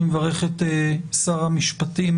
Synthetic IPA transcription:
mevaʁeχetesaʁamiʃpatim

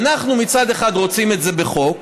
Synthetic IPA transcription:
naχnumit͡sad̪eχad̪ʁo̞t͡sime̞tze̞beχo̞k

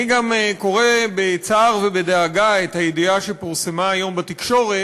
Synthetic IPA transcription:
iɡameko̞ʁebet͡saːʁvebed̪eaɡaethajediaʃepiʁse̞maːjo̞mbat̪ikʃo̞ʁe

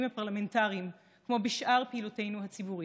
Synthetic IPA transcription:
imhapaʁlame̞ntaʁim | kmo̞biʃʔaʁpeilote̞jnuɦat͡sibuʁi

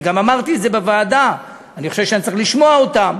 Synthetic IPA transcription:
ɡamamaʁt̪iedzebevaːd̪a | aniχoʃevʃeanitt͡sɐʁiχliʃmo̞aot̪am

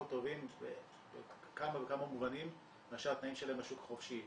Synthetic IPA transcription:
t̪ovimve | be | kamabekamamuvanim | eaʃalat̪naimʃelaemaʃukḁχofʃi

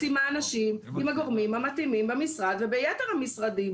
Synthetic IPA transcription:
imaːnaʃimimaɡo̞ʁmimhamat̪imimbemisʁad̪vebejet̪eʁhamisʁad̪im

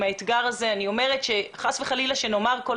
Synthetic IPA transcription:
maet̪ɡaʁazeanio̞me̞ʁe̞tʃeχasveχalilaʃeno̞maʁko

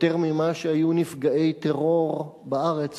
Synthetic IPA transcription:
t̪eʁmimaʃehajunifɡaʔe̞jt̪eʁo̞ʁbaʔaʁet͡s

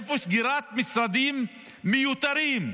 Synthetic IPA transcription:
fusɡiɾaːt̪̚mɪsɾˤad̪iːmː | ɪjut̪aɾiːm

